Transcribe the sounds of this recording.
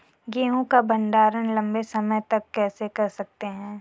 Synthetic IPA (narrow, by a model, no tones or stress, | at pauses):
ɡeːɦõkabɐ̃ɳɖaːɾənlɐ̃mbesɐməjt̪ɐkːɛːsekɐɾsɐk̚t̪eɦɛ̃ː